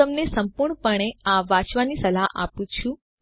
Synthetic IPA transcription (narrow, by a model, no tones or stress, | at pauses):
əmnesəmpuɾɳpəɳ̃eaʋat͡ʃʋanisəlaʔa̰pũt͡ʃʰũ